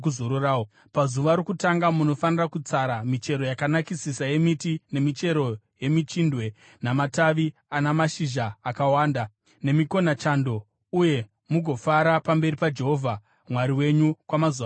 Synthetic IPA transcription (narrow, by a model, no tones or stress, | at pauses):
kuzoɾoraːo | pazuʋaɾokutaŋɡamuno̞fanirakut͡saɾamit͡ʃe̞ɾo̞jakanakisisaje̞mitine̞mit͡ʃe̞ɾo̞ | je̞mit͡ʃindwe̞ | namataʋianamaʃiʒaːkawaːnda | ne̞miko̞nat͡ʃando̞ | uje̞ | muɡʱo̞faɾapambe̞ɾipad͡ʒe̞ɦo̞vʱa | mwaɾiwe̞ɲukwamazua